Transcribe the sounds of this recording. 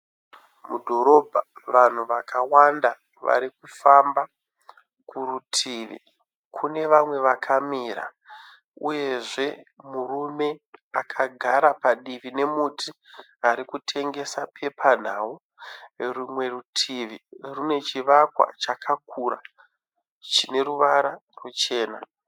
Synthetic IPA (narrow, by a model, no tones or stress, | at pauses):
mudʱo̞ɾo̞bʱaʋan̤uʋakawanda | ʋa̰ɾikufamba | kurutʰiʋḭ | kʰune̞ʋamwe̞ʋakʰamiːɾa̰ | uje̞ʐe̞murume̞akʰaɡʱaɾapaɗiʋine̞mutʰi | aɾikutʰe̞ŋɡe̞sapʰe̞pʰan̤aːwu | rumwe̞rutʰiʋirune̞t͡ʃiʋakwa̰t͡ʃakʰak̚uɾa̰ | t͡ʃine̞ɾuʋaɾarut͡ʃe̞ːna